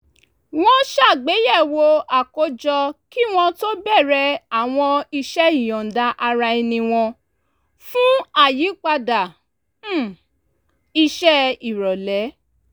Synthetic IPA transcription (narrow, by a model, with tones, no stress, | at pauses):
w̃ɔ̃˦ʃa˦˨ɡ͡be˨˦jɛ˦˨wo˧a˨ko˧˦d͡ʒɔ˧ki˦w̃ɔ̃˧to˦bɛ˦˨ɾɛ˧a˦˨w̃ɔ̃˧i˧ʃɛ˦i˦˨j̃ɔ̃˨n˨da˧ʔa˧ɾa˧i˧nĩ˧w̃ɔ̃˧ | fũ˦a˦˨ji˨˦k͡pa˧da˨˦˨ | i˧ʃɛ˦i˨ɾɔ˨lɛ˨˦